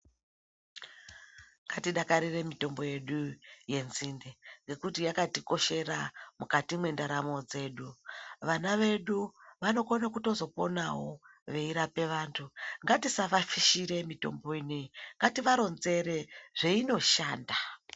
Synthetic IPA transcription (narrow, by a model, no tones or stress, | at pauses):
ŋɡatiɗakaɾire̞mito̞mbo̞je̞ɗuje̞nzindeŋɡe̞kutijakatiko̞ʃe̞ramukatimwe̞ndaɾamo̞d͡ze̞ːɗuʋanaʋe̞ɗuʋano̞konakuto̞zo̞po̞nawo̞ʋe̞iɾape̞ʋaːntʰuŋɡatisaʋafiʃiɾe̞mito̞̰mbo̞ineiŋɡatiʋaɾo̞nze̞ɾe̞ʐe̞ino̞ʃaːnda